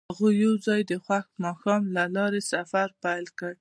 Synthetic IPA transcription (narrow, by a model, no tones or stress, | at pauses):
haɣuːawzɑjd̪əxwaxmɑxɑmlalɑɾesafaɾpajlkəɽ